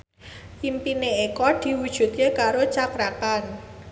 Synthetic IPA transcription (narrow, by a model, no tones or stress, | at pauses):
ʔimpineekɔd̪̥i̤wud̥ʒ̥ṳt̪̚kekaɾot͡ʃakɾat̪an